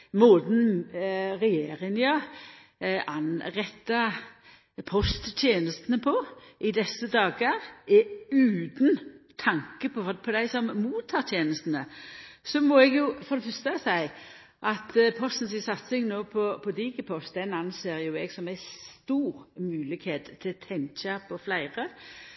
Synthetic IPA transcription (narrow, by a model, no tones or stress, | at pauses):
moːd̪n | ʁɛjeːɾɪŋjɑ | ʔɑnʁɛt̪ːɑ | pʰɔst̪t̪ʰjeːnəst̪ənəpʰɔʔɪd̪ɛsːəd̪ɑːɡəɾɛʉːd̪nt̪ʰɑŋkəpʰɔpʰɔd̪æɪsɔmmuːt̪ʰːɑːɾt̪ʰjeːnəst̪n̩əsɔmɔɛɡjʊfɔʁd̪ɛfœst̪əɑʋsæɪ | ʔɑt̪pʰɔst̪ən̩sɪsɑt̪sɪŋnoːpʰɔpʰɔd̪iɡəpʰɔst̪̚d̪ɛnɑnseːɾjʊɛɡsɔmæɪst̪uːɾmʉːlɪkheːt̪ʰːɪt̪ʰɛŋt͡ʃɑpʰɔflæɪʁə